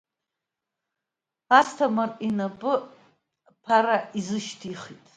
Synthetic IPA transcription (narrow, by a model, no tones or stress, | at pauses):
astʰamarʼinabɨ | pʰaɾaʔizɨʃtʰiχitʼ